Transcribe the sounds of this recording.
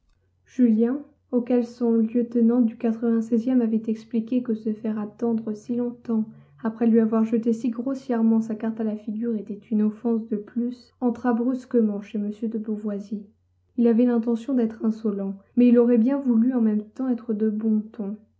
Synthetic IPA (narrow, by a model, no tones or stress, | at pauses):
ʒ̥yljɛ̃ | okʲɛlsɔ̃ljøt̪ənɑ̃d̪ykat̪χəvɛ̃sɛzjɛmavɛt̪ɛksplikʲekəsəfɛʁat̪ɑ̃d̪ʁəsilɔ̃t̪ɑ̃ | apχɛlɥiavwaʁʒət̪esiɡʁosjɛʁmɑ̃sakaʁt̪alafiɡʲyʁet̪ɛt̪ynɑ̃fɑ̃sd̪əplys | ɑ̃t̪χabʁyskəmɑ̃ʃeməsjød̪əbuvwazi | ilavɛlɛ̃t̪̬ɑ̃sjɔ̃d̪ɛt̪χɛ̃sɔlɑ̃mɛilɔʁɛbjɛ̃vulyɑ̃mɛmt̪ɑ̃ɛt̪χəd̪əbɔ̃t̪ɔ̃